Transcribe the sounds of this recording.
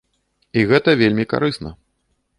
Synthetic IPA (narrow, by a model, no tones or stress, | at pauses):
iɣɛt̪ɐvʲelʲmʲika̰ɾɨsnɐ̰